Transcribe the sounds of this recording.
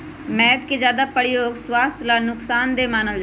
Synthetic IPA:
mɛːt̪keːd͡ʒjaːd̪aːpəɽɪjoːɡswaːst̪ʰlaːnʊksaːnd̪eːmaːnəld͡ʒ

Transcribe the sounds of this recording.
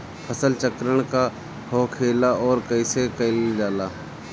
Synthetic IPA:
pʰəsəlt͡ʃəkɾəɽ̃ka | hoːkʰeːlaʔɔːɾkɐɪsekɐɪld͡ʒaːlaː

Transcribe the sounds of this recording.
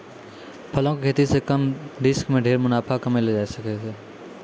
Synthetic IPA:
pʰɐlõkekʰeːt̪isekəmɖɪskmẽɖʱeːɾmʊnaːpʰakɐmeled͡ʒaːisəketeː

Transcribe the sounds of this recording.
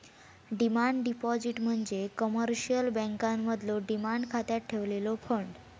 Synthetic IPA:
ɖimaɳɖɖipɔd͡ziʈm̤əɳd͡zekəməɾɕijəlbə̃ŋkamːəd̪loɖimaɳɖkʰat̪jat̪̚ʈʰeʋlelɔfʰəɳɖ

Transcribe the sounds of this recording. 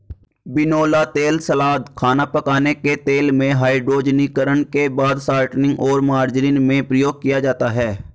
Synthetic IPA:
bɪnoːlat̪eːlsəlaːd̪kʰaːnapəkaːneket̪eːlmẽɦaːiɖɾoːd͡ʒnikəɾənkebaːd̪saːɾʈnɪ̃ŋɡɔːɾmaːɾd͡ʒɾiːnmẽpɾəjoːɡ̚kijad͡ʒaːt̪aɦɛː

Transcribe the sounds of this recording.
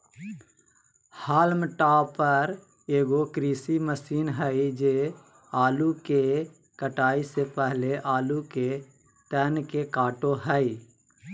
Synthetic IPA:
haːlmʈaːpəɾ | eːɡokɾiːsiməsiːnɦɛid͡ʒe | aːluke | kəʈaːisepɛɦleʔaːluke | t̪ɛːnkekaːʈoɦəi

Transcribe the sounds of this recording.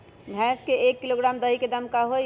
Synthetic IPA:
bʱɛ̃skeekːiloɡɾamd̪əɦiked̪əmkaɦo

